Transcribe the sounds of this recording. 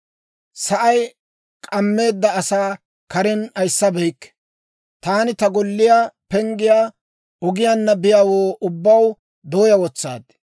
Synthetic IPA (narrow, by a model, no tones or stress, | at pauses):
sɐʔɐj | kʼɐmːe̞ːd̪ːɐːsaː | kɐɾɛnɐjsːɐbɛjkː | t̪aːnɪt̪ɐɡɔlːɪjaːpɛŋɡɪjaː | ɔɡɪjaːnːɐbɪjaːwoːʔʊbːɐw | d̪oːjɐwɔt͡sːa̰ːd̪